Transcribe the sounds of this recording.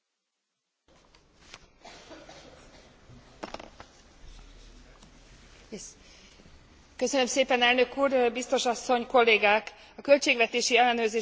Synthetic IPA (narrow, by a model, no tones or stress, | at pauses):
kø̞sønø̞mseːpɛnɛlnøkuːrbist̪o̞ʃɒsːo̞ɲko̞lːeːɡaːk | ɒkø̞lt͡ʃeːɡʋɛt̪eːʃiɛlːɛnøːrzeː